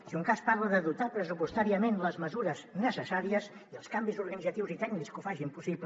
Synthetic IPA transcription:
siuŋkaspaɾləðəðut̪apɾəs̬upust̪aɾiəmenləzməzuɾəznəsəsaɾiəz | iəlˠskambizuɾɣənidd͡zət̪iwzit̪ɛɡnikskufaʒimpusip

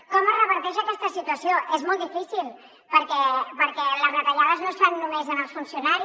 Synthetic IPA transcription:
kɔmərəβəɾt̪ɛʃəkɛst̪əsit̪uəsioʔezmɔlˠd̪ifisilˠ | pəɾkɛpəɾkɛləzmət̪əʎaðəznosfanːumezənəlˠsfunsijunaɾi

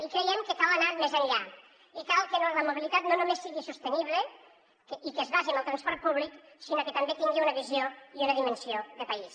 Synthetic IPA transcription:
ikɾejɛmkəkalənaɾmezəɲʎa | ikalkənoləmoβilit̪at̪nonumesːiɣisust̪əniβle | kikəzβaʒiməlˠt̪ɾɐnspɔɾt̪̚puβliksinokət̪ɐmbet̪iŋɡeunəβizjoiunəðimənsioðəpais

